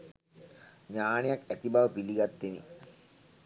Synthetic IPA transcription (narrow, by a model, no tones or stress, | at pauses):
ɲaːnejakæt̪ibaʋəpiliɡat̪ːenḭ